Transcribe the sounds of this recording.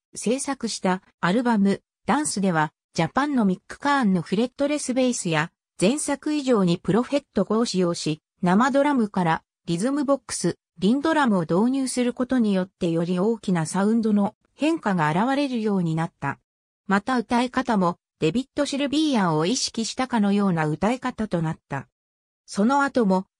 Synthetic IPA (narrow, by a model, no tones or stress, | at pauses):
se̞ːsakɯ̟ɕi̥t̪aː | ɾɯ̟bamɯ̟ | d̪̥ãɰ̃sɨd̪e̞β̞a | d͡ʑapãnːo̞mʲikːɯ̟̥kaːnːo̞ɸɯ̟ɾe̞t̪ːo̞ɾe̞sɨbe̞isɨja | z̥ẽ̞ɰ̃sakɯ̟iʑo̞ːɲ̟ipɯ̟ɾo̞ɸe̞t̪ːo̞ɡo̞ɕijo̞ːɕi | namad̪o̞ɾamɯ̟kaɾa | ɾʲizɨmɯ̟bo̞kːɯ̥sɨ | ɾʲĩnd̪o̞ɾamɯ̟od̪o̞ːɲ̟ɨːsɨɾɯ̟ko̞t̪o̞ɲ̟ijo̞t̪ːe̞jo̞ɾʲio̞ːkʲinasaɯ̟̃nd̪o̞no̞ | hẽ̞ŋkaɡaːɾaβaɾe̞ɾɯ̟jo̞ːɲ̟inat̪ːa̰ | mat̪aɯ̟t̪aikat̪amo̞ | d̪̥e̞bʲit̪ːo̞ɕiɾɯ̟bʲiːjãɰ̃o̞iɕi̥kʲiɕi̥t̪akano̞jo̞ːnaɯ̟t̪aikat̪at̪o̞nat̪ːa̰ | so̞no̞at̪o̞mo̞